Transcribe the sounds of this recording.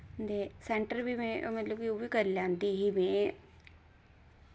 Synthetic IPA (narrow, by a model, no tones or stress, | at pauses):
nd̪eseɳʈəɾbimẽmɐt̪lokujoːʋikɐɾlãːnd̪iɦimẽ